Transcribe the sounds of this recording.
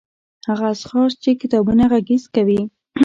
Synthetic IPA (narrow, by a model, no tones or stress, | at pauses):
haɣasxɑst͡ʃekɪt̪ɑbunaɣaɡɪzkawi